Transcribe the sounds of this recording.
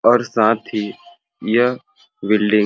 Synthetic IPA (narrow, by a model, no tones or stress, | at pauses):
ɔːɾsãːt̪ʰi | jə | bɪlɖɪŋ